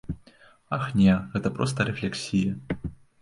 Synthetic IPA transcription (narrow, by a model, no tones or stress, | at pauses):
axnʲɛɣɛt̪ɐpɾɔst̪ɐɾɛflʲɛksʲijɐ